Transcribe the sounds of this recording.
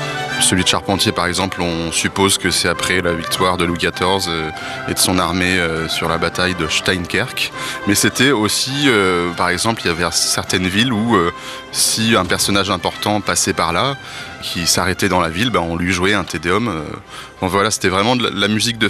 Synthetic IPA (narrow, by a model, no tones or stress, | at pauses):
səlɥid̪əʃaʁpɑ̃t̪jepaʁɛɡzɑ̃plɔ̃sypozkəsɛapχɛlavik̚t̪waʁd̪əlwikat̪ɔʁzø | ed̪əsɔ̃naʁmeøsyʁlabat̪ajd̪əʃt̪ajnkʲɛʁkmɛset̪ɛosiøpaʁɛɡzɑ̃pliljavɛsɛʁt̪ɛnviluø | siɛ̃pɛʁsɔnaʒɛ̃pɔʁt̪ɑ̃pasɛpaʁla | kʲʰisaʁɛt̪ɛd̪ɑ̃lavilbaɔ̃lɥiʒuɛɛ̃t̪ed̪eɔmø | fɔ̃vwalase̥t̪ɛvʁɛmɑ̃lamyzik̚d̪ə